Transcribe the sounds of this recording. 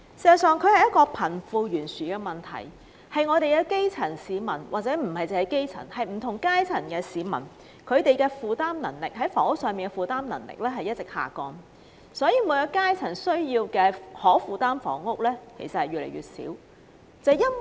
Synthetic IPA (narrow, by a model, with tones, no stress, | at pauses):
si˨˧zɐ˨tsœː˨ŋkʰɵ˨˧ɥhɐ˨˩jɐ˥t̚kɔː˧pʰɐ˨˩nfuː˨˧jyː˨˩nsyː˨kɛː˧mɐ˨˩nt̪ʰɐ̰˨˩j | hɐ˨jŋɔː˨˧t̪e˨jkɛː˧ke˥jt͡sʰɐ˨˩nsiː˨˧mɐ˨˩nwaː˨k̚t͡sɛː˨˥m̩˨˩hɐ˨jt͡sɐ˨hɐ˨jke˥jt͡sʰɐ̰˨˩nhɐ˨jm̩˨˩t̪ʰʊ˨˩ŋkaː˥jt͡sʰɐ˨˩nkɛː˧siː˨˥mɐ̰˨˩n | kʰɵ˨˧ɥt̪e˨jkɛː˧fuː˨t̪aː˥mnɐ˨˩ŋlɪ˨k̚hɐ˨˥jfɔː˨˥ŋʊ˥k̚sœː˨ŋpiː˨˩nkɛ˧fuː˨˩t̪aː˥mnɐ̰˨˩ŋlɪ̰˨k̚lɛː˥ɦɐ˨jɐ˥t̚t͡sɪ˨k̚ha̰ː˨kɔː˧n | sɔː˨˥jiː˨˧mu˨˧jɔ˧kaː˥jt͡sʰɐ˨˩nsɵ˥ɥjiː˧wkɛː˧hɔː˨˥fuː˨t̪aː˥mfɔ̰ː˨˥ŋʊ˥k̚lɛː˥kʰḛ˨˩jsɐ˨t̚hɐ˨jɥyː˨lḛ˨˩jɥy̰ː˨t̚sḭː˨˥w | t͡sɐ˨jɐ˥n